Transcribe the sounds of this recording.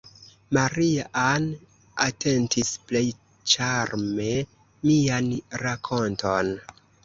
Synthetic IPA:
maɾiaʔan | atʰe̞ntisple̞j | t͡ʃaɾme̞ | mianɾakʰo̞nto̞n

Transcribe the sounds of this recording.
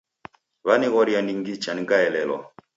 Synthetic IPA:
βaniɣɔɾiandiŋɡit͡ʃaniɡaɛlɛlɔ̰

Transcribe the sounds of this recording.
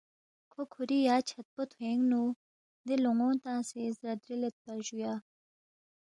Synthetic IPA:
kʰokʰuɾijaːt͡ɕʰɐt̪̚pot̪ʰuẽŋɡnu | nd̪eloŋõːnt̪ãːsezɾɐd̪ɾilet̪̚pɐɾʑujaː

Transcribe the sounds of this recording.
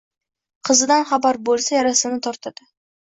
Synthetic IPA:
qʰɨzɪd̪anχabaɾbolˠsajaɾasɪnɪt̪ʰɒɾt̪ʰad̪̥ɪ

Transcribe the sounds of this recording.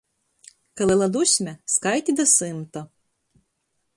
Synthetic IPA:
kɐlˠɪlˠɐd̪usʲmʲɛskajt̪ʲid̪ɐsɨmt̪ɔ

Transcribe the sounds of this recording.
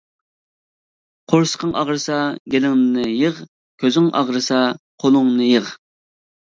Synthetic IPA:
qʰoɾsə̥qʰəŋʔɑʁɾɨsɑɡʲelɪŋnɨnɨjəʁ | kʲʰøzɪŋʔɑ̰ʁɾɨsɑqʰolˠʊŋnɨjəʁ

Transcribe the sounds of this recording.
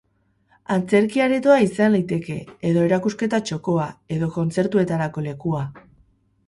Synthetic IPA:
ant͡se̞ɾkiaɾe̞t̪oaisanlajt̪e̞ke̞ːðo̞e̞ɾakuske̞t̪at͡ʃo̞ko̞ae̞ðo̞ko̞nt͡se̞ɾt̪ue̞t̪aɾako̞le̞kua

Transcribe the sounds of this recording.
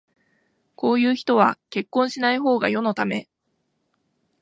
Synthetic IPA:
ko̞ːjɯ̟ːçi̥t̪o̞βake̞kːõ̞ɰ̃ɕinaiɦo̞ːɡajo̞no̞t̪ame̞

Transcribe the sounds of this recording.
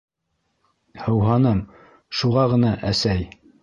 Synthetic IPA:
hɤ̆wɦɑnɤm | ʃuʁɑʁɤ̆nɑʔæsæj

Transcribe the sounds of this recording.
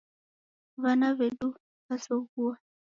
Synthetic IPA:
βanaβɛɗu | βasɔɣua

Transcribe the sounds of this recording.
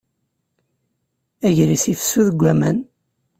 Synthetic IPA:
æʝɾisifsuðəɡʷːæmæn

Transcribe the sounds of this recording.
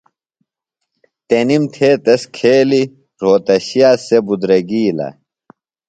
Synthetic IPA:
t̪enimt̪ʰeːt̪ɐskʰeːli | ɾoːt̪ɐɕijaːsebud̪ɾɐɡiːlɐ̰

